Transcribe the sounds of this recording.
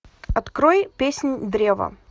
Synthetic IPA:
ɐt̪kɾojpʲesʲnʲd̪ɾʲevə̰

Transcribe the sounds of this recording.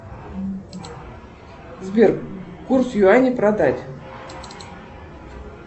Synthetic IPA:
zbʲerkursjuanʲiprad̪atʲ

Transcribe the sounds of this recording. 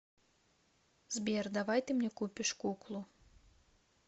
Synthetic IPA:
zʲbʲɛrd̪avajt̪ɨmnʲɛkupʲiʂkuklˠu

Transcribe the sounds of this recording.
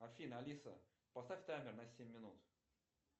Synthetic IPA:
ɐfʲinəɐlʲisə̰ | pɐst̪afʲk̪amʲɪrnɐsʲemʲːɪnut̪

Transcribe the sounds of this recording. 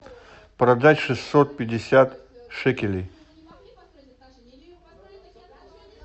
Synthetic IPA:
pɾɐd̪atʲʂɨsot̪̚pʲɪdʲːɪsʲat̪ʂɛkʲɪlʲɪj

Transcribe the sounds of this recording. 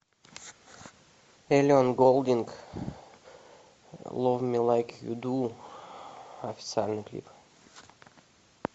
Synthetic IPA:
eliɔ̃nɡolˠd̪ĩŋɡ | lɔvmilaɪkʰjṵd̪u | ɔfi̥t̪salnəklḭp

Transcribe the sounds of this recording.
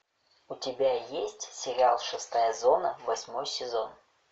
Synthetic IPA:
ʊtʲɪbʲajesʲtʲsʲɪɾʲalˠʂɨst̪ajəzonəvɐsʲmojsʲɪzon

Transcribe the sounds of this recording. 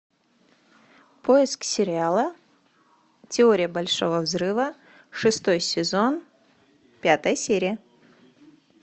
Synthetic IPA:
pʰo̞jɪsksʲɪɾʲɪalˠə | tʲɪo̞ɾʲɪjəbɐlʲʂo̞vəvzrɨvə | ʂɨst̪o̞jsʲɪzo̞n | pʲat̪əjəsʲeɾʲɪjə

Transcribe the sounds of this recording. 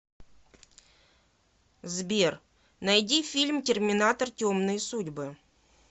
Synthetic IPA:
zbʲer | nɐjdʲifʲilʲmtʲɪrmʲɪnat̪ərtʲomnɨjsudʲbɨ

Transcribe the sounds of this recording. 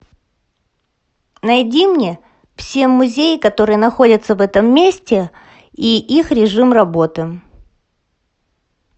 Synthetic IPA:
nɐjdʲimnʲe̞ | fsʲemːʊzʲejɪkɐt̪o̞ɾɨjənɐxo̞dʲət̪səvɛt̪əmːʲesʲtʲɪ | iʔixɾʲɪʐɨmrɐbo̞t̪ɨ

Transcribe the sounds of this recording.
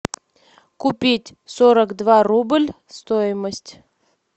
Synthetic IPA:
kʊpʲitʲsoɾəkd̪varublʲ | st̪ojɪməsʲtʲ

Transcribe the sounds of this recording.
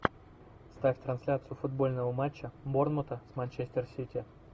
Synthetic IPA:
st̪afʲt̪ɾɐnsʲlʲat̪sɨjʊfʊd̪̚bo̞lʲnəvəmat͡ɕːəbornmot̪əsmanʲt͡ɕesʲtʲersʲitʲɪ

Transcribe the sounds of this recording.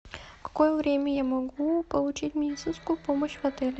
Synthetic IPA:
kɐ̥kɔjɛvɾʲɛmɛjamɔɡupolˠut͡ʃit̪ʲmʲɛd̪it̪sinskupɔmoʃvɐt̪ɛlʲɛ

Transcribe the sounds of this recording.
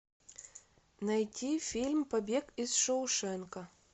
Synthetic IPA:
nɐjtʲifʲilʲmpɐbʲekizʂoʊʂɛnkə

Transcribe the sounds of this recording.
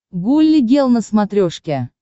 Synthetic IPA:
ɡulʲːiɡʲelˠnəsmat̪ɾʲoʂkʲæ

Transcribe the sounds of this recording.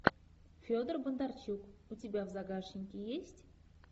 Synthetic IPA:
fʲod̪ərbənd̪art͡ɕukutʲɪbʲavzaɡaʃɪnʲkʲijesʲtʲ

